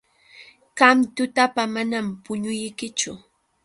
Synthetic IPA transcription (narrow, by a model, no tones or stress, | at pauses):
ɢamt̪ʊt̪apamanampʊɲʊjkɪt͡ʃʊ